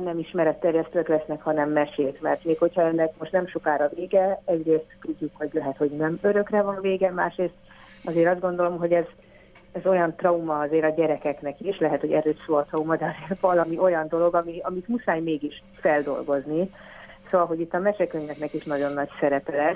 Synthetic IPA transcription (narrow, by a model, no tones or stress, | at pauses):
nɛmiʃmɛɾɛt̪ːɛrjɛst̪øːklɛsnɛkhɒnɛmːɛʃeːt̪mɛ̰rt̪meːkho̞chɒɛnːɛk̚mo̞ʃt̪nɛmʃokaːɾɒveːɡɛɛɟreːst̪t̪uɟːukho̞ɟlɛɦɛt̪ho̞ɟnɛmøɾø̞krɛvɒnveːɡɛma̰ːʃreːst̪ | ɒzeːɾɒzd̪ɡo̞nd̪o̞lo̞mɦo̞ɟɛz | ɛzo̞jɒnt̪rɒumɒɒzeːɾɒɟɛɾɛkɛknɛkiʃlɛɦɛt̪hoɟɛɾøːʃsoːɒt̪ɾɒumɒd̪ɛɒzervɒlɒmiʔo̞jɒnd̪o̞lo̞ɡɒmiɒmit̪musaːjmeːɡiʃ | fɛld̪o̞̰lɡo̞zni | soːvɒlɦo̞ɟit̪ːɒmɛʃɛkøɲvɛknɛkiʃnɒɟo̞nːɒcsɛɾɛpɛlɛs